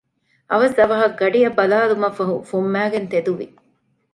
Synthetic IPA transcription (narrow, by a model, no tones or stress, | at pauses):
ʔɐʋɐsɐʋɐɦɐɡɐɖijɐbɐlaːlumɐfːɐɦufumːæːɡent̪ed̪uʋḭ